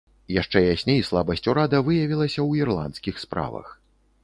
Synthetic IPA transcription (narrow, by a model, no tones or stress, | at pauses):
jaʂt͡ʂɛjasʲnʲejslˠabɐsʲt͡sʲuɾad̪ɐvɨjɐvʲilˠɐsʲɐwirlˠa̰nt̪skʲixspɾa̰vɐ̰x